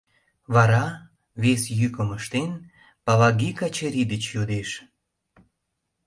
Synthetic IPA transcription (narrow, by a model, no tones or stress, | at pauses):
βɑɾɑ | βesjykəməʃt̪en | pɑlɑɡikɑt͡ɕeɾid̪ət͡ɕjod̪eʃ